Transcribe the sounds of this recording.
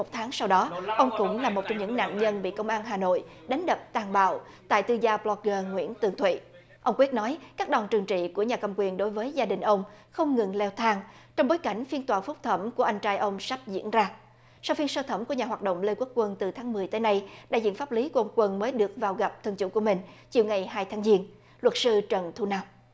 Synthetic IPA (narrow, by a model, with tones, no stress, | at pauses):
o˨˩t̪ʰaː˨˦ŋsa˧wɗɔ˨˦ʔə˧wŋ͡mkʊ̰˧˥ŋ͡mlaː˨˩mo˨˩t̚t͡ɕɔ˧ŋ͡mɲɨ̰˧˥ŋna̰ː˧˨ŋɲə˧nɓḭ˧˨kə˧wŋ͡mʔaː˧nɦaː˨˩no̰˧˨j | ɗa˨˦ŋ̟ɗə˨˩p̚t̪aː˨˩ŋɓa̰ː˧˨w | t̪a̰ː˧˨jt̪ɨ˧zaː˧plɔ˧k̚ɣəː˧ŋwḭ˧˥ənt̪ɨ˨˩əŋt̪ʰwḭ˧˨ | ʔə˧wŋ͡mkwi˦˥t̚nɔ˨˦jkaː˦˥k̚ɗɔ˨˩ŋt͡ɕɨ˨˩əŋt͡ɕḭ˧˨ku˧˩əɲaː˨˩kə˨˩mkwi˨˩ənɗo˨˦jvəː˨˦jzaː˧ɗï˨˩ŋ̟ʔə˧wŋ͡mxə˧wŋ͡mŋɨ˨˩ŋlɛ˧wt̪ʰaː˧ŋt͡ɕɔ˧wŋ͡mɓo˨˦jka˧˩jŋ̟fi˧ənt̪waː˨˩fʊ˦˥k͡p̚t̪ʰə˧˩mku˧˩əʔa˧jŋ̟t͡ɕaː˨˧˦jʔə˧wŋ͡msa˦˥p̚zḭ˧˥ənzaː˧ | sa˧wfi˧ənsəː˧t̪ʰə˧˩mku˧˩əɲaː˨˩ɦwaː˨˩t̚ɗo̰˧˨wŋ͡mle˧kwu˦˥k̚kːwə˧nt̪ɨ˨˩t̪ʰaː˨˦ŋmɨ˨˩əjt̪əː˨˦jna˧jɗa̰ː˧˨jzḭ˧˨nfaː˦˥p̚li˨˦ku˧˩əə˧wŋ͡mkwə˧nməː˨˦jɗɨ˨˩ək̚vaː˨˩wɣa˨˩p̚t̪ʰɨ˧əŋt͡ɕṵ˧˥ku˧˩əmï˨˩ŋ̟t͡ɕi˨˩əwŋa˨˩jɦaː˧jt̪ʰaː˨˦ŋzi˧ən | lwə˨˩t̚sɨ˧t͡ɕə˨˩nt̪ʰu˧na˧m